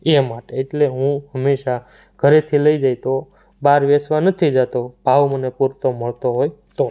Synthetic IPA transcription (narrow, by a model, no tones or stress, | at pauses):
emaʈeːʈleɦũɦəmːeʃa | ɡʱəɾet̪ʰiləid͡ʒajt̪o | baɾʋesʋanət̪ʰid͡ʒat̪ob̥ʱaʋmənepuɾt̪oməɭt̪oɦojt̪o